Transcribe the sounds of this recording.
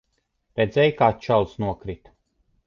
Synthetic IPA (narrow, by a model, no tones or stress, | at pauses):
ɾɛd̪zɛjkaːt̪t͡ʃalˠsnuɔkɾit̪